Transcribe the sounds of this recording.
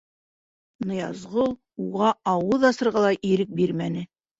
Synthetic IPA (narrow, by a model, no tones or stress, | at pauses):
nɤ̆jɑzʁolˠ | uʁɑɑwɤðɑsɤ̆ɾʁɑlˠɑʔiɾɘk̚biɾmænɘ